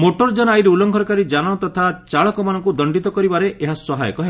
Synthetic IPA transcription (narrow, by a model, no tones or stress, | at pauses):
moʈɔɾd͡ʒɔnɔajɾeulɔŋkʰɔɾɔkaɾid͡ʒañɔt̪ɔt̪ʰat͡ʃaɭɔkɔmanɔŋkud̪ɔɳɖit̪ɔkɔɾibaɾeʔeɦaswɔɦajɔ̰kɔɦe